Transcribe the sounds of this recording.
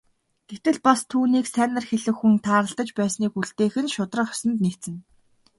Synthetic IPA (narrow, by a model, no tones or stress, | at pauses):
ɡ̪̥et̪ɘ̆ɮpast̪ʰuːniːksænə̆rxeɮɘ̆xːunt̪ʰaːɾə̆ɬt̪ə̆t͡ɕpæːsniːkuɮt̪eːxɘ̆nʃʊt̪rə̆χœ̥sɞ̆nt̪net̪t͡sɘ̆n